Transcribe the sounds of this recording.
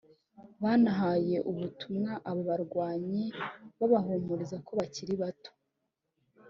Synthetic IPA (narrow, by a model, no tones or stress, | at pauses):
βaːnaɦaje̞ʔuβutumŋaʔaβoβaɾɡwaːɲiβaβaɦoːmuɾizako̞βaciɾiβato̥